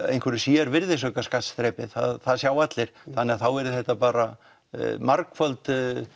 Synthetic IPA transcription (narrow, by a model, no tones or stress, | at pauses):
ejnkʰɛɾʏ̥siːɛɾvɪɾðɪsɔkaskat̪sθɾɛːpɪðθa̰ðθaðsjaːwat̪lɪɾ̥θanːɛaθawɛɾʏðθɛht̪apaːɾa | maɾkfœlt̪